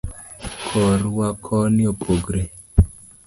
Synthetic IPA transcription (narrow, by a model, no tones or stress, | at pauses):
kʰɔɾwakʰɔniopoɡɾe